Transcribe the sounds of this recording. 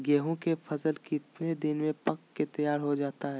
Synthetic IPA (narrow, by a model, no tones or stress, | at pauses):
ɡɛːɦõkepʰɐsəlkɪt̪ned̪ɪnmẽpɐkːet̪ɐjaːɾɦod͡ʒaːt̪aɦɛː